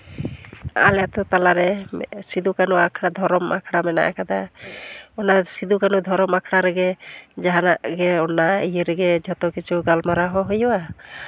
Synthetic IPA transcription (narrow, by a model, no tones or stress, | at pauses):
a̰lɛjat̪ɔt̪alaɾɛsid̪ukanuakʰɽad̪ʱɔɾɔma̰kʰɽamɛna̰ʔakad̪a | ɔnasid̪ukanud̪ʱɔɾɔmakʰɽaɾɛɡɛd͡ʒaɦanaʔɡɛɔnaijeɾɛɡɛd͡ʒʱɔt̪ɔkit͡ʃʰuɡalmaɾaɦɔɦujɔwa